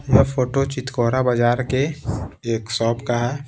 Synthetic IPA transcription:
mɛpʰoːʈot͡ʃɪt̪koːɾabad͡ʒaːɾkeeːksɔːpkaɦɛ

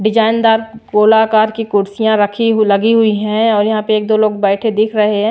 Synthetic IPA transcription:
ɖɪd͡ʒaːɪnd̪aːɾkoːlaːkaːɾkikʊɾsijãɾɐkʰilɐɡiɦʊiɦɛ̃ɔːɾjɐɦãpeeːk̚d̪oːloːɡ̚bɛːʈʰed̪ɪkʰɾɐɦeɦɛ̃ː

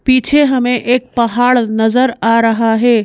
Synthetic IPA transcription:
piːt͡ʃʰeɦɐmẽʔʔeːk̚pɐɦaːɭnɐzəɾaːɾɐɦaɦeː

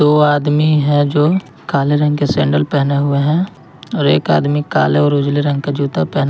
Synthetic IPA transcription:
d̪oːaːd̪miɦɛ̃d͡ʒoː | kaːleɾɐ̃ŋɡkesɛ̰̃ːɳɖəlpɛɦneɦʊeɦɛ̃ | ɔːɾḛːka̰ːd̪mika̰ːleɔːɾʊd͡ʒliɾɐ̃ŋɡkad͡ʒuːt̪apɛɦna

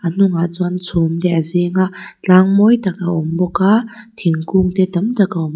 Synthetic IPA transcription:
anuŋat͡sɔnsʰomtɛʔazeŋaʔt͡ɬaŋmɔjtakaʔɔmbɔka | t̪ʰiŋkuŋtɛtɐmtɐkaɔm

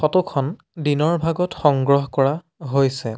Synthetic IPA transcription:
xɔtukʰɔn | dinɔɹbʱaɡɔtxɔŋɡɹɔɦkɔɹa | ɦojsɛ

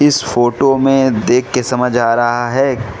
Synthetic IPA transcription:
ɪsfoːʈomẽd̪eːkʰːesɐməd͡ʒʱaːɾɐɦaɦɛː

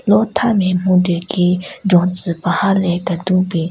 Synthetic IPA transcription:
lot̪ʰameːm̥ud̪øːkiːɖ͡ʐɔŋt͡sʰəpahalɛːkat̪uŋpeː

